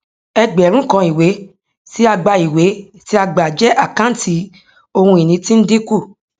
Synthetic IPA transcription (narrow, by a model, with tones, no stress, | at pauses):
ɛ˧ɡ͡bɛ˨ɾ̃ũ˦kã˧i˨we˨˦ | ti˦a˧ɡ͡ba˧i˨we˨˦ | ti˦a˧ɡ͡ba˨d͡ʒɛ˦ʔa˦˨kã˦n̩˦ti˨˧˦ | o˧hũ˧i˨nĩ˨˧˦tĩ˦n̩˦di˦ku˦˨